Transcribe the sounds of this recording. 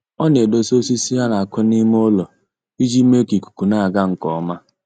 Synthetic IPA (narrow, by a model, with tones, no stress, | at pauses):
ɔ˦ne˨do˨so˦si˦si˦a˦na˨a˨kʷʊ˦ni˦m˦o˦lɔ˨ | i˦d͡ʒi˦me˦ki˨ku̥˨ku˨na˦a˨ɡa˦ŋ̩˨kɔ˨ɔ˦ma˦